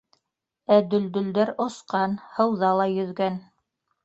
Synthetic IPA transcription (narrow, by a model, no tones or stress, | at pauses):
æd̪ɵ̆ld̪ɵ̆ld̪æɾŏsqɑnhɤ̆wðɑlˠɑjɵ̆ðɡæn